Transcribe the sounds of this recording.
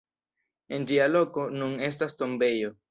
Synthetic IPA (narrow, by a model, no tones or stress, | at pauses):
e̞ndialo̞ko̞nune̞s̬tasto̞mbe̞jo